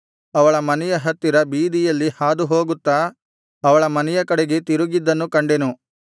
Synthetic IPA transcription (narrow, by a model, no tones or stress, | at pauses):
ɐʋɐɭɐmɐnɛjɐɦɐt̪ːiɾɐbiːd̪ijɐlːihaːd̪uɦo̞ːɡut̪ːaː | ʋɐɭɐmɐnɛjɐkɐɽeɡet̪iɾuɡid̪ːɐnːukɐɳɖe̞nu